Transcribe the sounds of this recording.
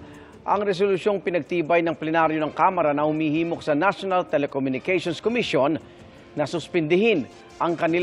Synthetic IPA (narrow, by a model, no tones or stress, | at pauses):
ʔɐŋɾɛs̬olʊʃjo̞ŋpɪnɐɡ̚t̪iːbɐjnɐŋplɛnaɾjonɐŋkamɐɾɐnɐhʊmiːhiːmo̞k̚sɐnaʃonɐlt̪ɛlɛkomjʊnɪkɛjʃonskomiʃjonː | ɐsʊspɛnd̪ɪɦɪn | ʔɐŋkɐnɪ